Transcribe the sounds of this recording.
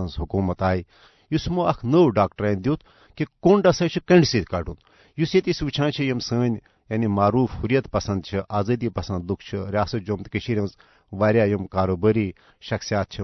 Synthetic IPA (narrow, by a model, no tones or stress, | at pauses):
ɐnzɦukuːmɐt̪aːji | jusmuɐkʰnəːwɖaːkʈɐɾaːnd̪jot̪̚ʰ | kikoːnɖɐsɐːt͡ʃʰikɐ̃ɳɖsiːt̪ʰʲkɐɖun | jusjet̪isʋit͡ʃʰãːnt͡ʃʰijimsəːnʲ | jɐnimaːɾuːfhuɾijɐt̪pɐsɐ̃nd̪̚t͡ʃʰiʔaːzɐːd̪iːpɐsɐnd̪lukʰt͡ʃʰiɾʲjaːsɐt̪̚d͡ʒoːmt̪ikəʃiɾʲɐ̃nz | ʋaːɾʲjaːjɐmkaːɾoːbəːɾiː | ʃɐksijaːt̪̚t͡ʃʰi